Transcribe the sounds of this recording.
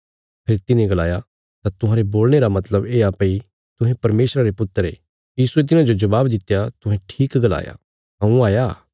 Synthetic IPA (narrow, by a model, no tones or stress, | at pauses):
pʰeːɾit̪ɪnẽɡɐla̰ːja | t̪at̪ʊɦãːɾeboːlñeɾamɐt̪ləbeːaːpei | t̪ʊɦẽpɐɾmeːsɾaɾepʊt̪ːəɾḛ | jiːsuet̪̬ɪnãd͡ʒod͡ʒɐbaːbd̪ɪt̪ːjat̪ʊɦɛ̃ʈʰiːkɡɐla̰ːja̰ | ɦɐ̃ũaːja